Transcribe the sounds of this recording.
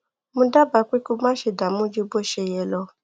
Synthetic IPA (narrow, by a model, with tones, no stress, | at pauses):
mũ˧da˦ba˧k͡pi˦ku˦mã˦ʃe˧˨da˨mũ˦d͡ʒu˦bo˦ʃe˧jɛ˧lɔ˧